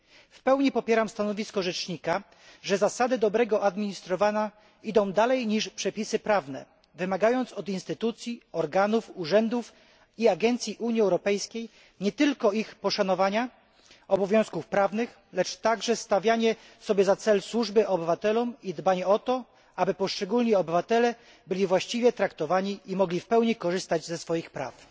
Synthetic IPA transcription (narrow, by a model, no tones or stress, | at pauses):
fpɛwɲipɔpʲjɛɾamst̪anɔvʲiskɔʐɛt͡ʂɲika | ʐɛzasad̪ɘd̪ɔbɾɛɡɔʔad̪mʲiɲist̪ɾɔvaɲa | id̪ɔ̃w̃d̪alɛjɲiʂpʂɛpʲisɘpɾavnɛ̰ | vɘmaɡajɔnt̪sɔd̪inst̪ɘt̪ut̪sʲjiɔɾɡanufuʐɛnd̪uf | iaɡɛnt̪sʲjiʔuɲiɛwɾɔpɛjskʲej | ɲɛt̪ɘlkɔixpɔʂanɔvaɲa | ɔbɔvʲjɔ̃w̃skufpɾavnɘx | lɛt͡ʂt̪aɡʐɛst̪avʲjaɲɛ | sɔbʲjɛzat̪sɛlswuʐbɘʔɔbɘvat̪ɛlɔmid̪baɲɛɔt̪ɔ | abɘpɔʂt͡ʂɛɡulɲiɔbɘvat̪ɛlɛ | bɘlʲivwaɕt͡ɕivʲjɛt̪ɾakt̪ɔvaɲiʔimɔɡlʲifpɛwɲikɔʐɘst̪ad͡ʑzɛsfɔjixpɾa̰f